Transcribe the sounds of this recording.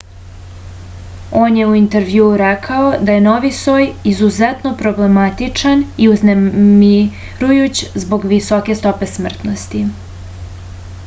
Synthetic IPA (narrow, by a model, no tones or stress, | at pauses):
oːnjeuint̪eɾʋjuːɾekʰaod̪aje̞no̞ʋisoːjizuzet̪no̞pɾo̞ble̞mat̪it͡ʂaniuznemi | ɾujut͡ɕzbo̞ɡʋiso̞ke̞st̪o̞pe̞smr̩t̪nost̪i